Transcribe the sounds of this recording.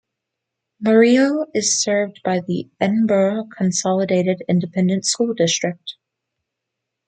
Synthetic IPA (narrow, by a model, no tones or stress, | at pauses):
mə˞ioʊɪz̥sɜ˞vdbaɪðiɛ̃nbəkʰn̩sɑlˠədeɪɾɨɾɪ̃ndɨpʰɛ̃ndɨ̃ntskulˠdɪstɹ̥ɨk̚t̚